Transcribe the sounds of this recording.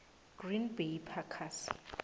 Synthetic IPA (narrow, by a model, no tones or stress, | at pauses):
ɡ̥rinbejpʰakʰasi̥̰